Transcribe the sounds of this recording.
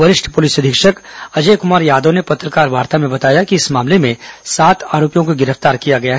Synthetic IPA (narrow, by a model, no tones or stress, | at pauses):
ʋɐɾɪʃʈʰpʊliːsɐd̪ʱɪkʃəkɐd͡ʒeːkʊmaːɾjaːd̪ənepɐt̪ɾəkaːɾʋaːɾt̪amẽbɐt̪aːjakiɪsmaːmlemẽsaːt̪ʰaːɾoːpijõkoɡɪɾəft̪aːɾkijaɡɐjaɦ